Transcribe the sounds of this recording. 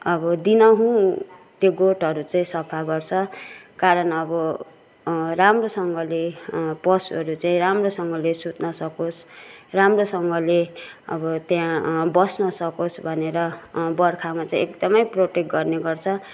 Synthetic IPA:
ʌbʌd̪inʌɦũt̪joɡoʈʌɾut͡saĩsʌpʰaɡʌrt͡sʰʌkaɾʌnʌbʌ | ramrosʌŋɡʌlepʌsʌɾut͡saĩɾamrosʌŋɡʌlesut̪nʌsʌkosramrosʌŋɡʌleʌ̰bʌt̪jãbʌsnʌsʌkosbʱʌneɾʌbʌrkʰamat͡saĩekd̪ʌmʌjproʈek̚ɡʌrneɡʌrt͡sʰʌ

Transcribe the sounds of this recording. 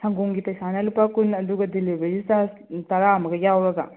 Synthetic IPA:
sʰɐŋɡuŋɡipɐjsanɐlupːakunɐduɡɐdilibɐɾistatɐɾamɐɡɐjawɾɐɡɐ̰

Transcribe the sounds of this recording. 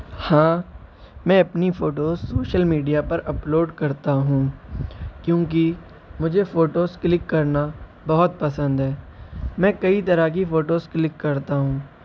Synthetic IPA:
hãː | mɛ̃ːɐpnifoːʈoːzsoːʃəlmiːɖijapɐɾɐploːɖkɐɾt̪aɦũː | kjõːk̬i | mʊd͡ʒʱefoːʈoːzklɪkːɐɾna | bɐɦɔt̪̚pɐsə̃nd̪ɦɛː | mɛ̃ːkɐit̪ɐɾak̬ifoːʈoːzklɪkːɐɾt̪aɦũː

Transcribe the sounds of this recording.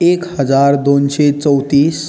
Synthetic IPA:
ekhəd͡zaɾd̪onɕet͡səwt̪iːs

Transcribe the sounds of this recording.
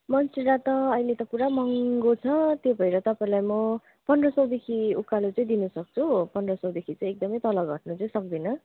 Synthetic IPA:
mʌnsiɾat̪ʌːjlet̪ʌpuɾamʌŋɡot͡sʰʌt̪jobʱʌĩɾʌt̪ʌpaĩlajmʌ | pʌnrʌsʌwd̪ekʰiukːalut͡sʌĩd̪inʌsʌk̚t͡sʰupʌnrʌsʌwd̪ekʰit͡sʌĩek̚d̪ʌmʌjt̪ʌlʌɡʱʌʈ̚nut͡sʌĩsʌk̚d̪inʌ

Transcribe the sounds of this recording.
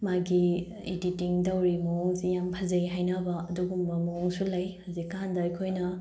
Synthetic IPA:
maɡi | iditiŋdɐwɾimɐɔŋsijampʰɐzejɦajnɐbɐɐduɡumbɐmɐɔŋsulɐjhazikːandɐɐjkʰojnɐ

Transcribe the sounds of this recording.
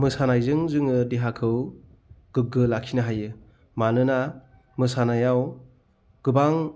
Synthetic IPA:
mɯsanajzɯŋzɯŋɯdeɦakʰɯw | ɡ̥ɯɡɯlakʰinaɦajɯ | manɯna | mɯsanajaw | ɡ̥ɯbaŋ

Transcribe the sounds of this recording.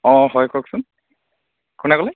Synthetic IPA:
ɔ̃ɦɔjkɔksʊn | kʊnɛkɔlɛ

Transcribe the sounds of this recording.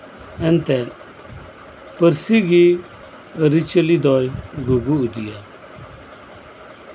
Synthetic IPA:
ɛnt̪ɛ | pəɾsiɡi | əɾit͡ʃəlid̪ɔjɡuɡuud̪ijɛ

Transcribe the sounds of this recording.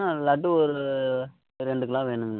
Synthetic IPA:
alɐʈːɯɔɾɯ | ɾɛɳɖɯkːɐlãːʋeːnɯmn

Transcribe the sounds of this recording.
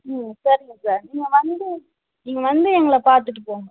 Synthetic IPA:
sɐɾɪŋɡɐsaːɾniːŋɡɐʋɐnd̪ɯ | niːŋɡɐʋɐnd̪ɯɛŋɡɐɭɐpaːɾt̪ɯʈːɯpoːŋɡɐ

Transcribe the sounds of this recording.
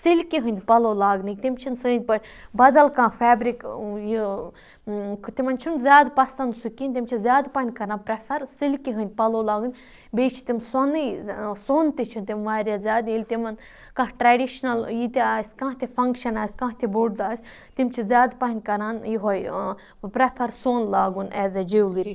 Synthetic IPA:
silʲkiɦɨ̃nʲd̪pɐloːlaːɡnɨkt̪imt͡ʃʰinsɨːn̚ʲpɐɾʲ | bɐd̪ɐlkãːfaːbɾikji | kt̪imɐnt͡ʃʰunzʲjaːd̪pɐst̪ɐnsukinʲt̪imʲt͡ʃʰizʲjaːd̪paːnʲkɐɾãːnpɾɐfʰɐɾsilʲkiɦɨ̃nʲd̪̚ʲpɐloːlaːɡɨnʲ | beːt͡ʃʰi̥t̪imsonɨjsoːnt̪it͡ʃʰunt̪iʋaːɾʲjazʲaːd̪ilʲt̪imɐn | kɐ̃ɦʈɾaːɖiʃnɐljit̪iaːsʲkãːt̪ʰefʰɐŋkʃɐnaːsʲkãːɦt̪ʰiboɽd̪aːsʲ | t̪imt͡ʃʰizʲjaːd̪paɦnʲkɐɾaːnjiɦoj | pɾɐpʰɐɾsoːnlaːɡunʔɛːzed͡ʒeːwliɾi

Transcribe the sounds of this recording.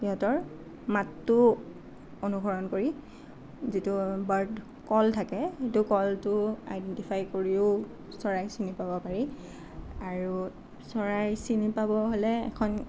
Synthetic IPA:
biɦɔtɔɹ | matːʊ | onuɡʱɔɹɔnkoɹi | zitubaɹd | kɔltʰakɛitʊkɔltʊa̰jdɛntipʰajkoɹiʊ | sɔɹajsinipabɔpaɹi | aɹu | sɔɹajsinipabɔɦolɛɛ̰kʰɔn

